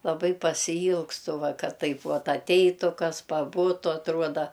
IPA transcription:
lˠɐˈbɐɪ pɐsʲɪˈiːlˠkstʊ ˈʋɐ ˈkɐt ˈtɐɪp ˈʋɐt ɐtʲˈɛɪtʊ ˈkɐs pɐˈbʊtʊ ɐtˈruɔdɐ

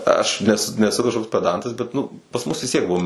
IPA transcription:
ˈɐʃ nʲɛs nʲɛˈsʊ kɐʃˈkoːks pʲɛˈdɐntɐs bʲɛt ˈnʊ pɐs ˈmʊs ʋʲɪs ˈtʲiɛk ˈbʊʋoː

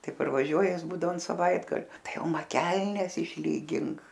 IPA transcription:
ˈtɐɪ pɐrʋɐˈʒʲuɔjɛ ˈjɪs ˈbuːdɐʋoː ɐn sɐˈʋɐɪdɡɐlʲoː ˈtɐɪ ˈjɛʊ ˈmɐ ˈkʲɛlʲnʲɛs ɪʃʲˈlʲiːɡʲɪŋk

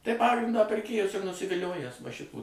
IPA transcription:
tɐɪ ˈpɑːɡrʲɪndɑː pʲɪrʲˈkʲeːjʊs ɪr nʊsʲɪʋʲɪˈlʲoːjæːs ʋɐ ˈʃʲɪtuː

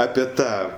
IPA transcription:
ˈɑːpʲɛ ˈtɑː

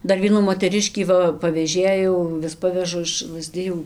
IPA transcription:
ˈdɐr ˈʋʲiɛnuː moːtʲɛˈrʲɪʃʲkʲiː ˈʋɐ pɐʋʲɛˈʒʲeːjɛʊ ˈʋʲɪs ˈpɑːʋʲɛʒʊ ɪʃ lˠɐzʲˈdʲɪjuː

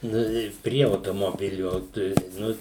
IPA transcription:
ˈnʊ ɪ ˈpʲrʲiɛ ɐʊtoːmoːˈbʲɪlʲʊ tɐɪ ˈnʊ

